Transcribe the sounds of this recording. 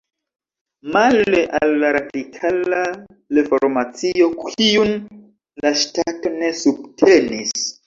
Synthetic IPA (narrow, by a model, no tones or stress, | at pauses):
maleʔalːaɾadikʰala | lefo̞ɾmat͡sio̞kʰiun | laʃtato̞ne̞sub̚tʰe̞nis